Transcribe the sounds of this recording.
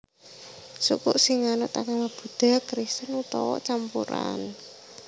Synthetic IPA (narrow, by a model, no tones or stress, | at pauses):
sṵkuʔsiŋanɔʔt̪akamab̥ṳd̪̥a̤kɾist̪ənut̪ɔ̰wɔ̰ʔt͡ʃampṵɾa̰n